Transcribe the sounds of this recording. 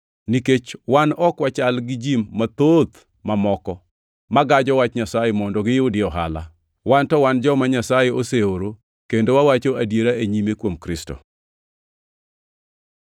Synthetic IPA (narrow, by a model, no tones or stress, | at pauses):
niket͡ʃwanɔkwat͡ʃalɡɪd͡ʒimːat̪ot̪ | mamɔkɔ | maɡad͡ʒɔwat͡ʃɲasajemɔndoɡɪjʊdɪɔɦa̰la̰ | wantɔwand͡ʒɔmaɲasajeoseoɾo | kendowawat͡ʃoadjeɾaeɲimekwomkɾɪsto̰